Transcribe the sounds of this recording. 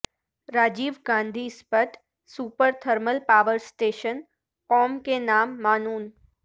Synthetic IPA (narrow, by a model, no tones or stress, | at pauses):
ɾaːd͡ʒiːʋɡãːnd̪ʱiːspəʈ̪ | suːpəɾt̪ʰəɾməlpaːʋəɾsʈeːʃən | kɔːmkenaːmːaːnuːn